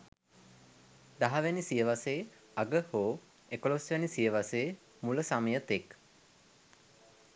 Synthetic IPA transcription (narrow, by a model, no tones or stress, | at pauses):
d̪aɦaʋænisijəʋasej | aɡəhoː | ekolosʋænisijəʋasejː | muləsaməjət̪ek